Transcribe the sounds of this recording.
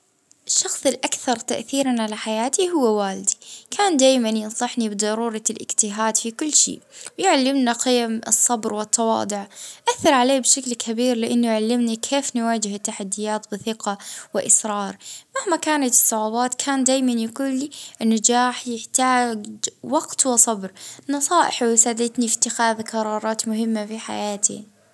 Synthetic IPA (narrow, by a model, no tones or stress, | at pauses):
ɪʃːɑxsˤɪlʔakθɑɾˤt̪a̰ʔθiːɾanʕalaħajaːt̪iɦʊwːawaːld̪i̥kʰaːnd̪aːjmanjɪnsˤɑħnibɨd̪ˤɑɾˤuːɾˤɑlʔɪɡt̪ɪɦaːd̪fikʊlːʃḭːʔwjʕalːɪmnaqɪjamɨsˤːɑbɾwɪt̪ʰːɑwɑ̰ːd̪ˤʊʕʔaθːɑɾˤʕaleːbʃaklkʰabiːɾlɪʔanːʊjʕalːɪmnikʰeːfnɪwaːd͡ʒɪhɪt̪ːaħad̪ːɪjaːt̪bɪθɪqawɪʔɪsɾˤɑːɾˤmahmakaːnat̪ɨ̥sˤːʊʕabɑːt̪kʰaːnd̪aːjmanjaɡuːlːiʔɪnːad͡ʒaːħjɪħt̪aːɡwɑɡt̪wɪsˤɑbɾnɑsˤɑːʔɪħwɪsaːd̪ɪt̪nifi̥t̪ːɪxaːðqɑɾˤɑːɾˤɑːt̪mʊɦɪmːafiħa̰jaːt̪ʰḭ